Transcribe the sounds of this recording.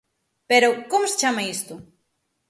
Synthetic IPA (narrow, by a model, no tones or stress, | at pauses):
peɾokomose̥t͡ʃamɐist̪u